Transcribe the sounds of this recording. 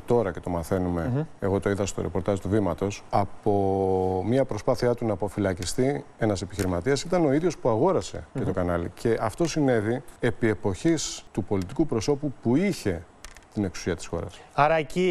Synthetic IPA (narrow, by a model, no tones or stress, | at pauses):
t̪o̞ɾɐce̞t̪o̞mɐθe̞nume̞eɣo̞t̪o̞iðɐst̪o̞ɾepo̞ɾt̪ɐzt̪uvimɐt̪o̞sɐpo̞mɲɐpɾo̞spɐθiɐt̪unɐpo̞filɐcist̪ie̞nɐse̞piçiɾimɐt̪iɐsit̪ɐno̞iðʝo̞spuɐɣo̞ɾɐse̞̰ce̞t̪o̞kɐnɐlḭcʰe̞ʔɐft̪o̞sine̞ðie̞pie̞po̞çist̪upo̞lit̪ikupɾo̞so̞pupuiçe̞ | t̪ine̞ksu̥siɐt̪i̥sxo̞̰ɾɐ̰sɐɾɐeci